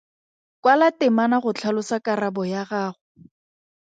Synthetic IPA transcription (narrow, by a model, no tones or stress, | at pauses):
kwalatɪmanaχʊt͡ɬʰalʊsakarabɔjaχaːχʊ